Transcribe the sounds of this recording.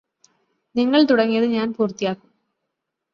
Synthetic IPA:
niŋːɐɭt̪uɽɐŋːijɐðɨɲaːnpuːrt̪ːijaːkːu̥m

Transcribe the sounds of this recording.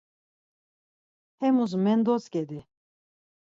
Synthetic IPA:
hɛmuzumɛnd̪ɔt͡skɛd̪i

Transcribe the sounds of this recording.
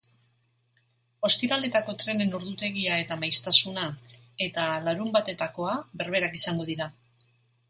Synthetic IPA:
o̞st̪iɾale̞t̪ako̞t̪ɾe̞ne̞noɾðut̪e̞ɣiae̞t̪amajst̪asuna | e̞t̪alaɾumbat̪e̞t̪ako̞aβe̞ɾβ̞e̞ɾakisaŋɡo̞ð̞iɾa

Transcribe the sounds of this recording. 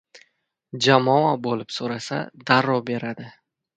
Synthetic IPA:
d͡ʒamɒabolɪpsoɾasa̰d̪aɾɒbe̞ɾad̪ɪ

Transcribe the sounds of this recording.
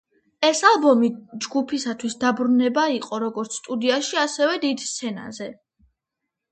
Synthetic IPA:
ɛsalˠbɔmid͡ʒɡupʰisat̪ʰwisd̪abɾunɛbaiqʼɔɾɔɡɔɾt̪sʰst̪ʼud̪iaʃiasɛvɛd̪id̪st̪sʰɛna̰zɛ

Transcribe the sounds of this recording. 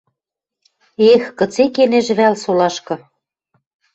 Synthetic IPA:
exkɤ̆t͡sekeneʒβælsolɑʃkɤ̆

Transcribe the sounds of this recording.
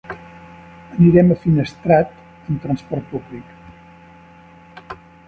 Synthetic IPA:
əniɾɛməfinəst̪ɾat̪ | əmt̪ɾənspɔɾt̪̚publik

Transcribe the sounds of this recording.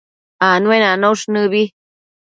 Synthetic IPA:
anwenanõʂnɨ̃βi

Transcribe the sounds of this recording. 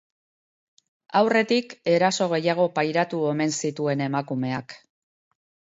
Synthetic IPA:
awre̞t̪ike̞ɾaso̞ɣ̞e̞jaɣ̞o̞pajɾat̪ue̞me̞nsit̪ue̞ne̞makume̞ak

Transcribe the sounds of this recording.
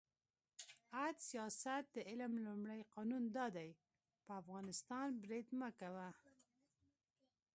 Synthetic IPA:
ad̪sijɑsat̪̚d̪əʔɪlmlʊmɽajqɑnund̪ɑd̪aj | pəafɣɑnɪst̪ɑnbɾed̪məkawa

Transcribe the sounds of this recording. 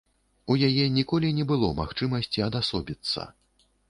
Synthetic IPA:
ujajɛnʲikɔlʲinʲɛbɨlˠɔma̰xt͡ʂɨmɐsʲt͡sʲiɐd̪asɔbʲit̪sːɐ̰

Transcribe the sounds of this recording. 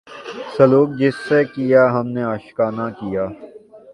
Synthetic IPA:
sɐluːk̚d͡ʒɪsːekijaɦɐmneaːʃkaːnakijaː

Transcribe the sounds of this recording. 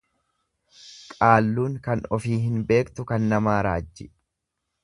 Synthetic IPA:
kʼaːlːuːŋkɐnɔfiːɦɪnbe̞ːkt̪ʊkɐnːɐmaːɾa̰ːd͡ʒːɪ

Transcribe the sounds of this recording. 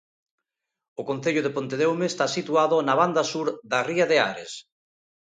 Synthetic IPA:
ʊkon̟θeʎʊðepont̪eðewmest̪asit̪uaðʊnaβand̪asuɾðariaðea̰ɾes

